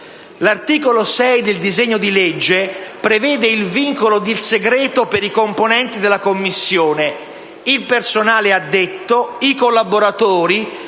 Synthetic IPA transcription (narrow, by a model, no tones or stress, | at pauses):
lart̪iːkolosɛjd̪ɪld̪izeɲːod̪ilɛd͡ʒːepɾevɛːd̪eilviŋkolod̪ilseɡɾɛːt̪opeɾikomponɛnt̪id̪elːakomːisːjoːne | ilpersonaːlead̪ːet̪ːoikolːaboɾat̪oːɾi